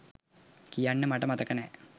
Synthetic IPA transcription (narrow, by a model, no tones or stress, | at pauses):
kijanːɨmɐʈːɐmɐt̪ɐkːɐne